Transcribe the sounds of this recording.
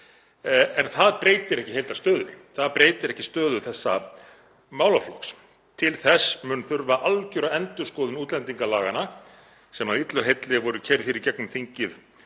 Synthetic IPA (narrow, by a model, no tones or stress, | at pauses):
ɛnθaðpɾeːjt̪ɪɾɛhcɪɦejlt̪ast̪œːðʏɾθaðpɾeːjt̪ɪɾɛhcɪ̥st̪œːðʏθɛsːa̰ | maːwlaflɔks | t̪ʰɪlθɛsːmʏːnθʏɾvaʔalcʏɾaɛnt̪ʏskɔːðʏnuːt̪lɛnt̪iŋkalaːɣana | sɛmawit̪lʏɦejt̪lɪvɔɾʏcʰɛɾðfiːɾicɛknʏmθiɲcɪð